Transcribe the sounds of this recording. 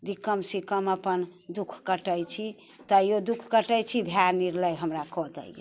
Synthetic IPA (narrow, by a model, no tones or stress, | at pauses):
d̪ikəmsikəməpənd̪ukʰkəʈəjt͡ʃʰi | t̪əjod̪ukʰkəʈəjt͡ʃʰibʱjaɾniɾləjɦəmɾakɔd̪ɛ̰jḛ